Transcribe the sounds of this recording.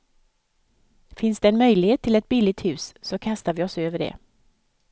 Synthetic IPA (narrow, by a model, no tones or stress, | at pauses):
fɪnsd̪ɛɛnmœjlɪheːt̪ʰːɪlɛt̪̚bɪlɪɡ̚t̪hʉ̟ːsːɔkʰast̪avɪɔsøːvəɖɛ̰